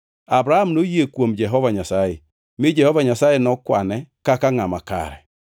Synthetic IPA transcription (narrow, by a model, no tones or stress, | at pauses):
abɾahamnojekwomd͡ʒɛɦɔvaɲasae | mɪd͡ʒɛhɔvaɲasaenɔkwanɛkakaŋamaka̰ɾɛ